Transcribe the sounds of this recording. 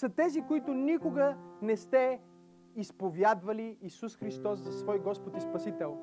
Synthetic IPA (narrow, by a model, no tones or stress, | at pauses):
sɐt̪ɛzikoit̪ʊnikʊɡənɛst̪ɛ | ispovjad̪vɐliːsusxɾist̪ɔsːɐsvɔjɡɔspot̪ispɐsit̪ɛlˠ